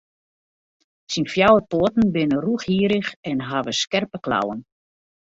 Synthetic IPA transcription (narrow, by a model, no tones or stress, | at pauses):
sinfjawəpoətn̩bɪnəruəxhiəɾəxɛnɦaʋəskɛrpəkla̰wən